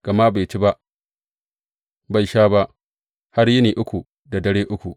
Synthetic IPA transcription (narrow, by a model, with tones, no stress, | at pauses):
ɡ̥ɐ˨ma˦ba˨jt͡ʃi˦ba˦ʔ | ba˨jʃaː˦ba˦ʔ | ha˦rjɪ˦niː˨ʔʊ˦kʷu˨ | da˨dɐ˦ɽeː˦ʔʊ˦kʷu˨